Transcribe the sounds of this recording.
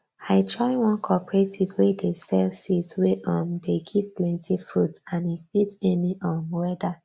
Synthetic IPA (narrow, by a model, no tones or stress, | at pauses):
aɪtʰɹɔɪwɔ̃nkʰɔpɹetʰivwedesɛlsitsweʔɔmdeɡivplɛ̃ntʰifɹutãnefitɛniʔɔmwɛda